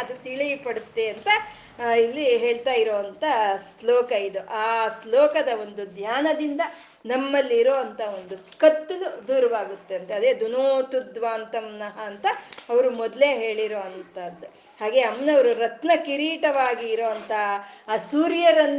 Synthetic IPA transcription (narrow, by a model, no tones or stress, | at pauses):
ɐd̪ut̪iɭijpɐɽut̪ːe̞ɐnt̪ɐ | ilːiɦe̞ːɭt̪aːjiɾoːʋɐnt̪ɐslɔːkɐid̪uʔaːslɔːkɐd̪ɐo̞nd̪ud̪ʱjaːnɐd̪ind̪ɐ | nɐmːɐlːiːɾoːɐnt̪ʰɐond̪ukɐt̪ːulud̪uːɾɐʋaːɡut̪ːe̞ɐnt̪ɐɐd̪e̞ːd̪unoːt̪ud̪ʋaːnt̪ɐmnɐɦɐːnt̪ɐɐʋɐɾumɔd̪le̞ɦe̞ːɭiɾoːɐnt̪ɐd̪ːu | haːɡe̞ːɐmnɐʋɐɾuɾɐt̪nɐkiɾiːʈɐʋaːɡiːɾoːʋɐnt̪ʰɐːsuːɾjɐɾɐlː